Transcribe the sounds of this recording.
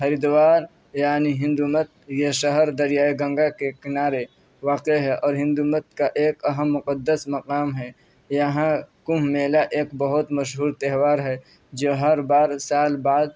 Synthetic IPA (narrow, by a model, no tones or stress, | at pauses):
xɐɾid̪waːɾ | jaːniɦɪ̃nd̪umət̪̚jeʃɐɦəɾd̪ɐɾijaːeɡɐ̃ŋɡakekɪnaːɾe | ʋaːqeɦɛʔɔːɾɦɪ̃nd̪umət̪̚kaʔeːkɐɦəmːʊqəd̪ːəsmɐqaːmɦɛ | jɐɦãkʊ̃mmeːlaʔeːkbɐɦʊt̪mɐʃɦuːɾt̪ɛɦwaːɾɦɛ | d͡ʒoːɦɐɾbaːɾsaːlbaːd̪̚